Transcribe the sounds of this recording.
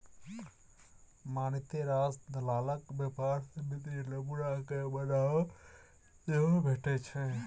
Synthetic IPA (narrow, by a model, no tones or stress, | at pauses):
manit̪eɾasd̪ʱəlaːləkbjəpaɾsẽmit̪ɾiləbuɾakebəla | eɦobʱeʈɛt͡ʃʰɛ̃